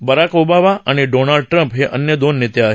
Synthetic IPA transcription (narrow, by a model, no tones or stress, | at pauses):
bəɾakobaʋaʔaneɖonalɖ̚ʈɾə̃mpɦeʔənjəd̪onːɪt̪jaɦ